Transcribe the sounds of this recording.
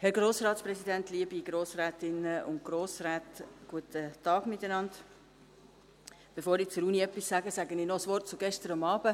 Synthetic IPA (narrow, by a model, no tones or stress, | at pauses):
hɛɾɡɾoːsɾɑːt̪sprɛsidɛntliəbiɡ̥ɾoːsɾæːtɪnəʊ̰n̚ɡ̥ɾoːsɾaːtɡ̥uətətɑːɡmɪtənɑnd | b̥efoːɾɪt͡sʊɾuːniœpːissæːɡəsæɡənɪnɔsʋɔɾt̚t͡sʊɡɛʃtəɾɑmɑːbə